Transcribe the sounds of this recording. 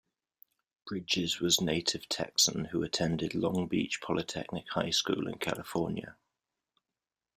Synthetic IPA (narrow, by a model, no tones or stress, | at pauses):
b̥ɹɪd͡ʒɪzwɒzneɪtʰɪv̥tʰɛ̰ksə̃nhʉətʰɛ̃ndɪdˡlɒ̃ŋbiˑt͡ʃpʰɒlɪtʰɛ̰k̚nɪkhaɪskṵːlɪ̰̃nkʰa̰lɪfɔːnjə̰